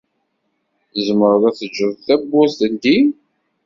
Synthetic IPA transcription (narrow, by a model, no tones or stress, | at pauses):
əzməɾðˤæθəd͡ʒːəðˤθæbːʊst̪ənd̪i